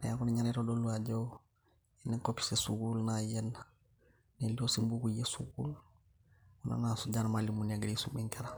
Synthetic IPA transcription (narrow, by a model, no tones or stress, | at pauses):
njakuneɲaɾeɾodolːuaɟow | inekopi̥sesuɡulnajen | neliosimbukujesuɡṵːl | una̰nasuɟanmalːimunaɡadisumiŋkeɾa